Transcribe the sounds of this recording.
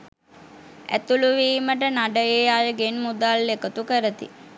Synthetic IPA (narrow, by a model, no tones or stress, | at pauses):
æ̰t̪uluʋiːməʈənaɖəeːaːjəɡenmud̪aːlːekət̪ukəɾət̪ḭ